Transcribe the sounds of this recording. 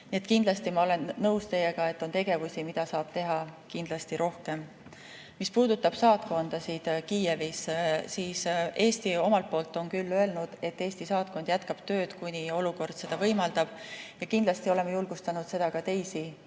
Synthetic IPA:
niet̪kind̪lɑst̪imɑo̞le̞nːɤwst̪e̞je̞ɡ̥ɑe̞t̪ːˑo̞nt̪e̞ɡ̥e̞vusimid̪̥ɑsɑːb̥̚t̪e̞ɦɑkind̪̥lɑst̪iɾo̞hke̞m | mispuːd̪̥ut̪ːˑɑb̥sɑːt̪ko̞nd̪̥ɑsid̪̥kiːevissiːse̞ːst̪io̞mɑlt̪̚po̞ːlt̪ːˑo̞nkylːø̞e̞lnud̪̥e̞t̪ːe̞ːsʲt̪isɑːt̪̚ko̞nd̪̥jæt̪kɑb̥t̪ø̞ːd̪̥kunʲio̞luko̞rd̪̥se̞d̪̥ɑvɤjmɑld̪ɑb̥jɑkind̪lɑst̪io̞le̞mːejulɡ̥ust̪ɑnud̪̥se̞d̪̥ɑkɑt̪e̞jsi

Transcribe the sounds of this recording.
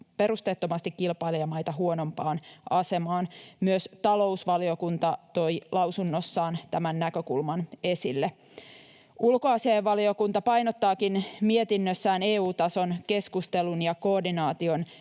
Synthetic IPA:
pe̞ɾust̪e̞ːt̪ːo̞mɑst̪ikːilpɑiliɑmɑjt̪ɑɦuo̞no̞mpɑːnʔɑse̞mɑːnmyøst̪ɑlo̞usʋɑlio̞kunt̪ɑt̪o̞jlɑwsunːo̞sːɑːnt̪æmænːækø̞kulmɑne̞silːe | ulkoɑsiɑjeʋːɑlio̞kunt̪ɑpɑjnot̪ːɑːkinmie̞t̪inːøsːæːne̞ːuːt̪ɑso̞nke̞skust̪e̞lunjɑko̞ːdinɑːt̪io̞n

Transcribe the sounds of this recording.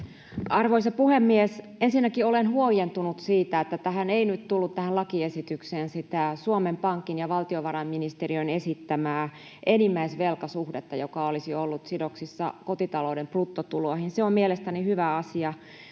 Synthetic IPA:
ɑrʋoisɑpuhemːies | ensinːækiolenhuojent̪unut̪siːt̪æet̪ːæt̪æɦæneinyt̪t̪ulːut̪t̪æhænlɑkiesit̪ykseːnsit̪æsuomempɑŋkːinjɑʋɑlt̪ioʋɑɾɑmminist̪eriønesit̪ːæmæː | ʔenimːæisʋelkɑsuhdet̪ːɑjokɑolisiolːut̪sidoksisːɑ̰kot̪it̪ɑloudemplut̪ːot̪ulohinseommielest̪ænihyʋæɑsiɑ

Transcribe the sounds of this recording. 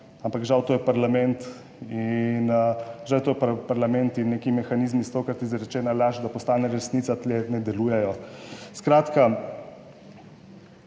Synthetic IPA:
ampakʒawt̪oːjɛpaɾlamɛnt̪ | inʒawt̪ojɛpapaɾlamɛnt̪inːekimɛxaniːzmist̪oːkɾat̪izɾɛt͡ʃɛːnalaʒd̪apɔst̪aːnɛɾɛsnit̪sat̪lɛnɛd̪ɛlujɛjɔskɾaːt̪ka

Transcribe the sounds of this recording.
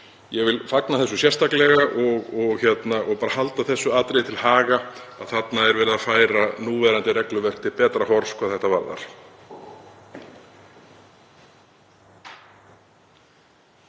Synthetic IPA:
jɛɣvɪlfaknaθɛsːʏsjɛrst̪aklɛɣaʔɔɣɔɣçjɛt̪naʔɔɣpaːɾahalt̪aθɛsːʏaːt̪ɾejt̪ʰɪlhaːɣaaðθat̪naɛɾvɛːɾɪðafaːjɾanuːvɛːɾant̪ɪrɛklʏvɛr̥kt̪ʰɪlpɛːt̪ɾahɔɾ̥skvaðθɛht̪ava̰ɾða̰ɾ̥

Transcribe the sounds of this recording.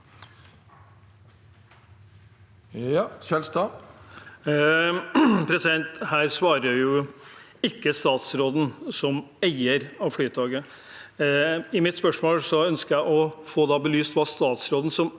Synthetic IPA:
ɛst̪ː | pʰɾɛsɪd̪ɛnt̪hæːɾsʋɑːɾəɾjʊ | ɪkːəst̪ɑːt̪sɾoːd̪n̩sɔmæɪəɾɑʋflyːt̪ʰɑːɡə | ɪmɪt̪spœʂmoːlsɔœnskəɾjæɪʔɔfoːd̪ɑːbəlyːst̪ʋɑːst̪ɑːt̪sɾoːd̪n̩sɔm

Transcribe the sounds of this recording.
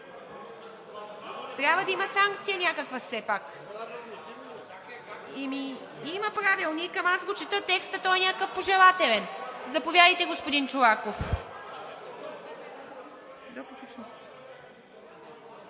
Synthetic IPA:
t̪ɾʲabvəd̪ɐimɐsaŋk̚t̪sijənʲakəkvəsɛpak | imi | imɐpɾavilˠnikɐmazɡot͡ʃɛt̪ət̪ɛkst̪ɐt̪ɔjɛnʲakkəfpoʒɛlˠat̪ɛlɛnzɐpovjad̪əjt̪ɛɡospod̪int͡ʃovakof | d̪ɔpokut͡ʃno

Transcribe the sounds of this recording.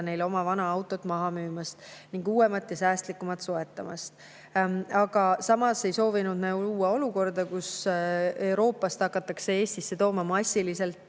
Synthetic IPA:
ne̞jlo̞mɑvɑnɑɑwt̪ːˑo̞t̪ːmɑɦɑmyːmɑst̪niŋɡ̥uːwemɑt̪ːˑjɑsæːst̪likːumɑt̪soe̞t̪ːˑɑmɑ̰st̪ | ɑɡ̥ɑsɑmɑse̞jso̞ːvinud̪næuluːɑo̞luko̞rd̪̥ɑkus | e̞wɾo̞ːpːˑɑst̪hɑkːˑɑt̪ːˑɑksee̞ːst̪isːe̞t̪o̞ːmɑmɑsʲːilise̞lt̪ˑ

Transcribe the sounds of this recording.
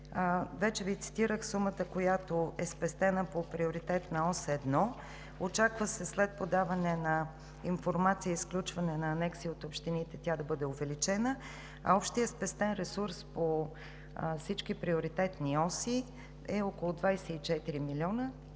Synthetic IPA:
vɛt͡ʃɛvit̪si̥t̪iɾəxsumət̪əkojat̪oɛspɛst̪ɛnəpopɾioɾit̪ɛt̪nɐɔsɛd̪nɔ | ot͡ʃakvəsɛslɛt̪̚pod̪avɐnɛnɐ | infoɾmat̪siəisklʲut͡ʃvɐnɛnɐːnɛksiːot̪opʃt̪init̪ɛt̪ʲad̪ɐbɤd̪ɛovɛlit͡ʃɛnə | ɐ̰ɔpʃt̪ijəspɛst̪ɛnɾɛsuɾspo | fsit͡ʃkipɾioɾit̪ɛt̪niɔsi | ɛɔkolˠʊd̪vajsɛit͡ʃɛt̪iɾimilʲiɔnə

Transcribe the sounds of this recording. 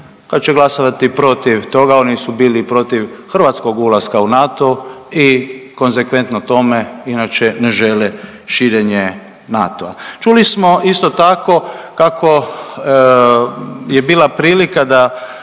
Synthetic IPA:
kad̪t͡ʃeɡlasoʋat̪ipɾo̞t̪iʋt̪o̞ɡao̞nisubiːlipɾo̞t̪iʋxr̩ʋat̪sko̞ɡulaskaunat̪oiko̞nzekʋe̞nt̪not̪o̞meinat͡ʃeneʒele | ʃiːɾeɲe | nat̪o̰a̰t͡ʃulismo̞ist̪o̞t̪ako̞kakʰo̞ | jebiːlapɾiːlikad̪a

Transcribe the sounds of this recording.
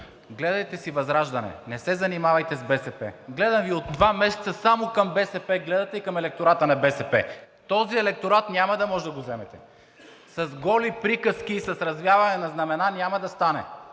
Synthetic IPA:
ɡlɛd̪ɐjt̪ɛsivɐzɾaʒd̪ɐnɛ̰nɛsɛzɐnimavɐjt̪ɛzbɛsɛpɛ̰ɡlɛd̪ɐmviod̪ːvamɛsɛt̪sɐsamokɐmbɛsɛpɛɡlɛd̪ɐt̪ɛikɐmɛlɛk̚t̪oɾat̪ənɐbɛsɛpɛ | t̪ɔziɛlɛk̚t̪oɾat̪nʲamɐd̪ɐmɔʒɛd̪ɐɡozɛmɛt̪ɛ | sɐzɡɔlipɾikəsk̟iːsɐsɾɐzvjavɐnɛnɐznɐmɛnanʲamɐd̪ɐst̪anɛ̰

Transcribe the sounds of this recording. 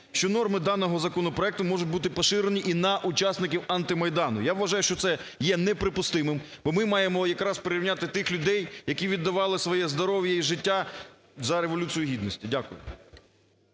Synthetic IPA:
ʃt͡ʃɔnɔrmɪd̪ɑnɔɦɔzɐkɔnɔpɾɔɛk̚t̪ʊmɔʒʊt̚ʲbut̪ɪpɐʃɪɾenʲiʔinɐʔʊt͡ʃasnɪk̬ʲiwɑnt̪ɪmɐjd̪ɑnʊ̰jaʋːɐʒɑjʊʃt͡ʃɔt̪sɛ | jɛnɛpɾɪpʊst̪ɪmɪmbɔmɪmɑjemɔjɐkɾɑspeɾɪɾʲɪʋnʲat̪ɪt̪ɪxlʲʊd̪ɛjjɐkʲiʋʲid̪ːɐʋɑlˠɪsʋɔjɛzd̪ɔɾɔʋʲjɐiʒɪtʲːa | zɐɾeʋɔlʲut͡sʲijʊɦʲid̪nɔsʲtʲidʲakʊjʊ̰

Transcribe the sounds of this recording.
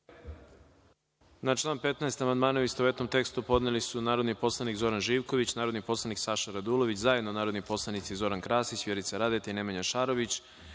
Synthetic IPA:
nat͡ʃlˠaːnpe̞t̪naest̪amand̪maːnauist̪oue̞t̪no̞mt̪e̞kst̪upo̞d̪nelisunaːɾo̞d̪nipo̞slˠanikzo̞ɾanʒiːʋko̞ʋit͡ɕnaːɾod̪nipo̞slˠaniksaʃaɾad̪ulo̞ʋit͡ɕzajed̪nonaːɾod̪nipo̞slˠanit̪sizo̞ɾankɾaːsisvjeɾit̪saɾad̪et̪aine̞maɲaʃaːɾo̞ʋit͡ɕ

